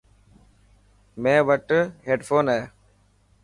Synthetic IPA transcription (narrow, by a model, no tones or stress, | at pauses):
mẽːʋəʈɦeːɖfʰoːnɛː